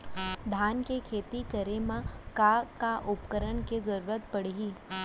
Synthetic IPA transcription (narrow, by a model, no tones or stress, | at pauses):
d̪ʱankekʰet̪ikəɾemãkakaʔupkəɾəɳked͡zəɾuːɾət̪pəɽ̤ɦiː